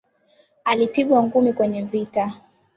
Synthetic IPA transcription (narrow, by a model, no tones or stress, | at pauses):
alipiɠwaŋɡumikwɛɲɛvita